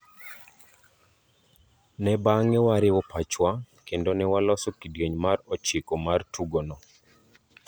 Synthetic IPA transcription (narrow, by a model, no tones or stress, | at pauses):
nɛbaŋɛwaɾɪwɔpat͡ʃwa | kendonɛwalɔsokidɡeɲmarɔt͡ʃikomartuɡonɔ